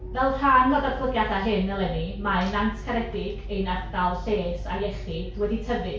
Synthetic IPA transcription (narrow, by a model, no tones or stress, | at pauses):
vɛlˠr̥aːnvodarʰlʊɡjadaɦɨnːɛlˠɛnimaɨnantʰkʰaɾɛdɪɡ̥ejnardalˠɬeːsa̰jɛχidwɛditʰəvɨ